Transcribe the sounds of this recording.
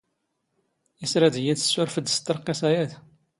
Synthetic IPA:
isɾæd̪jæd̪ə̥sːʊɾfəd̪st̪ːəɾqːesæjæθ

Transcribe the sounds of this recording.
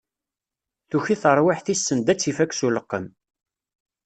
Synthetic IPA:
θuçiθəɾˤwɪħθisːənd̪æt͡sːifækːsuləqːəm

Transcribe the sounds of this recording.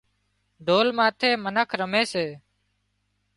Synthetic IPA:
ɖʱoːlmãːt̪ʰeːmənəkʰɾəmeːseː

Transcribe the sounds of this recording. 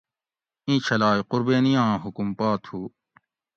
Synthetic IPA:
ĩːt͡ɕʰɐlaːjqʊɾbeːnijãːɦukumpaːt̪ʰhuː

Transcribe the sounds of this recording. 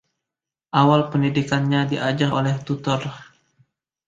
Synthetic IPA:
ʔawalpəndidikanɲadiʔad͡ʒarolɛht̪ut̪ɔr

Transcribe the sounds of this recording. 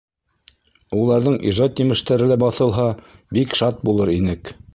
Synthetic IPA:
ulˠɑɾðɤɴḭʒɑt̪jɘ̆mɘ̆ʃt̪æɾɘ̆læbɑθɤ̆lˠɦɑbikʃɑt̪̚bulˠɤɾinɘk

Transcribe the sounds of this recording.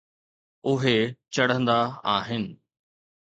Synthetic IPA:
ʊɦet͡ɕɐɽ̤ə̃nd̪aa̰ːɦɪnɪ̆

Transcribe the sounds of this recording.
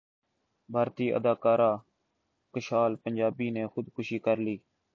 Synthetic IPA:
bʱaːɾt̪iːʔə̰d̪aːkaːɾaː | kəʃaːlpənd͡ʒaːbiːneːxʊd̪kʊʃiːkəɾliː

